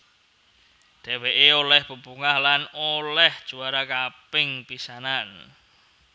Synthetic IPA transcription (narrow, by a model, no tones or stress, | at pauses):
d̪̥eweʔeolɛhb̥upuŋahlanolɛhd̥ʒ̥uaɾakapɪŋpisanan